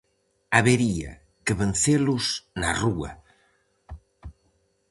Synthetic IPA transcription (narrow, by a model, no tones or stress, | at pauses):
aβeɾia̰ | keβen̟θelusnaruɐ̰